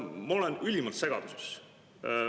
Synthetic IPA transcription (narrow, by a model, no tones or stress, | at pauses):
mɑo̞lɛnylʲimɑlt̪se̞ɡ̥ɑd̪̥uses